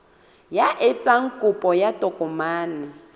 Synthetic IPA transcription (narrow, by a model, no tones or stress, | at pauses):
jaʔɪt͡sʼaŋ̩kʼʊpʼɔjatʼɔkʼɔmaːnɪ